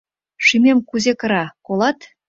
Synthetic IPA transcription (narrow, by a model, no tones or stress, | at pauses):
ʃymʲemkuzekə̆ɾɑkolˠɑt̪